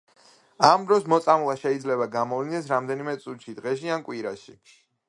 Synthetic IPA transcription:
amd̪ɾɔsmɔt̪sʼamlˠaʃɛid̪zlɛβaɡamɔvlinɛsɾamd̪ɛnimɛt̪sʼut̪ʃid̪ʁɛʃiankʼwiɾaʃi

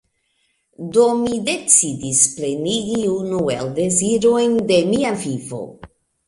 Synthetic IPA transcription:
domide̞t͡sidisple̞niɡiunuḛlde̞ziɾo̞jnde̞miavivo̞̰

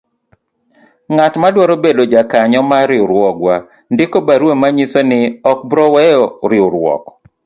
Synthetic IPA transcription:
ŋatmadwɔɾobedod͡ʒakaɲɔmaɾɪʊɾwɔɡwa | ndɪkobaɾwemaɲisɔnɪɔk̚bɾɔwɛjɔɾɪʊɾwɔ̰k

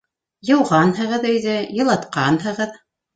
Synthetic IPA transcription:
jɤ̆wʁɑnɦɤ̆ʁɤðɵ̆jðɘjɤ̆lˠɑt̪qɑnhɤ̆ʁɤð

